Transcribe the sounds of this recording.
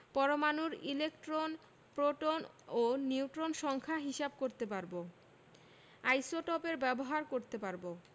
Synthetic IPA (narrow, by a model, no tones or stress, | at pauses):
pɔɾomanuɾilekʈɾon | pɾoʈon | oniuʈɾonʃɔŋkʰaɦiʃab̚koɾt̪epaɾbo | ajsoʈɔpeɾbɛboɦaɾkoɾt̪epaɾbo